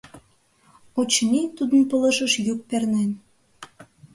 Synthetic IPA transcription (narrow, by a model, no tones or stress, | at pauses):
ot͡ɕnit̪ud̪ə̆npə̆lə̆ʃə̆ʃjuk̚pernen